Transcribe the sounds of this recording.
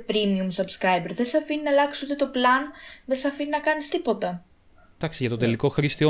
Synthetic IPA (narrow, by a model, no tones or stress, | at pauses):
pɾimiumsɐbskɾɐjbeɾðesɐfininɐlɐksut̪et̪o̞plɐnðesɐfininɐkɐnist̪ipo̞t̪ɐ | t̪ɐksiʝɐt̪o̞t̪e̞liko̞xɾist̪io